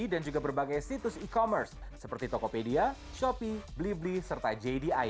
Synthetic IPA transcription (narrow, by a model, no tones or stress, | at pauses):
idand͡ʒuɡabərbaɡajsit̪ʊsikomərsːəpərt̪it̪okopedia | ʃopibliblisərt̪ad͡ʒejdia